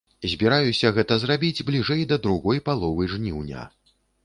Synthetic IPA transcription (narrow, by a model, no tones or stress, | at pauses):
zʲbʲiɾajusʲɐɣɛt̪ɐzrabʲid͡zʲblʲiʐɛjd̪ɐd̪ɾuɣɔjpalˠɔvɨʐnʲiwnʲa̰